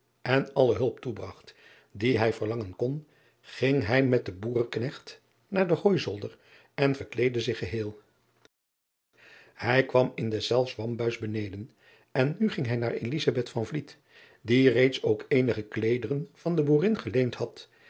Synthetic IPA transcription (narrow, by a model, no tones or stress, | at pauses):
ʔɛnɑləɦɵlˠp̚tubrɑχt | diɦɛjvəɹlɑŋənkɔn | χɪŋɦɛjmɛt̚dəbuːrknɛχt | naːɹdəχoːjzɔlˠdər | ɛnvəɹklejdəzɪχəɦɪːlˠ | hɛjkʋɑmɪndɛsɛlˠfsʋɑmbœɥzbənejdən | ɛnːyχɪŋɦɛjnaːɹelizabɛtfɑnvlit | direjtsowkejnəχəklejdərənv̥ɑndəbuːrɪnχəlejnthɑt